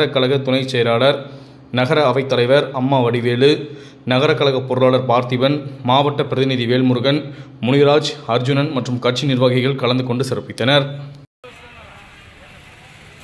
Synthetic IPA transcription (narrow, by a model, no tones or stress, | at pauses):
ɾɐkːɐɭɐɣɐt̪ːʊnɐɪt͡ʃːɛjɐɾaːɭɐɾ | nɐɣɐɾɐːʋɐɪt̪ːɐlɐɪʋɐɾɐmːaːʋɐɽɪʋeːɭɯ | nɐɣɐɾɐkːɐɭɐɣɐpːɔɾɯlaːɭɐɾpaːɾt̪ɪʋɐnmaːʋɐʈːɐpɪɾɐðɪnɪðiʋeːɭmʊɾɯɣɐnmʊɳɪɾaːd͡ʒɐɾd͡ʒʊnɐnmɐʈrɯmkɐʈ̚t͡ʃinɪɾʋaːɣɪɣɐɭkɐɭɐnd̪ɯkɔɳɖɯsɪrɐpːɪt̪ːɐnɐɾ